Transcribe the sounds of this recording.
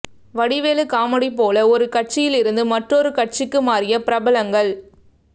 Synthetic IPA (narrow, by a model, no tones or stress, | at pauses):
ʋɐɽɪʋeːlɯkaːmɐɽip̬ːoːlɐɔɾɯkɐʈ̚t͡ʃɪjɪlɪɾɯnd̪ɯmɐʈrɔɾɯkɐʈ̚t͡ʃɪkːɯmaːɾɪjɐpɪɾɐbɐlɐŋɡɐɭ